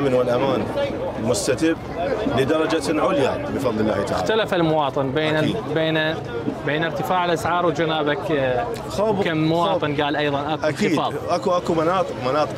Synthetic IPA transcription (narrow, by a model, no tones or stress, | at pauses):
mɪnwɪlʔamaːnmʊst̪at̪ɪbːlɪd̪ɑɾˤɑd͡ʒaʕʊlja̰bəfɑðˤlɪlːa̰ːht̪aʕaat̪alafalmʊwɑːt̪ˤɨnbeːnbeːna | beːnɪɾt̪ɪfaːʕalʔasʕɑːɾˤwd͡ʒanaːbak | xobkaːʊwɑːt̪ˤɨnɡaːlʔɑjðˤɑnʔakakːiːdɑːʔakuʔakumanɑːt̪ˤɨqmanɑːt̪ˤ